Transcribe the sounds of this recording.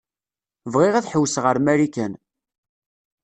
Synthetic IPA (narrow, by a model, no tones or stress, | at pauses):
vʁɪʁæθħəwːsʁəɾmæɾikæn